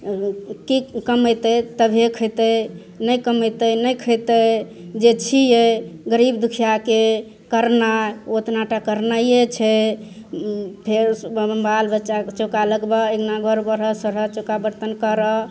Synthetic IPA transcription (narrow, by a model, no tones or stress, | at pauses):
kikəməjt̪ət̪əbʱekʰəjt̪əj | nəjkəməjt̪əjnəjkʰəjt̪əj | d͡ʒet͡ʃʰijeɡəɾibd̪ukʰijake | kəɾnaot̪naʈakəɾnajet͡ʃʰɛ | pʰeɾbbʱalbətːʃat͡ʃokaləɡbəɡeɡnaɡʱəɾbəɾɦəsəɾət͡ʃokabəɾt̪ənkəɾə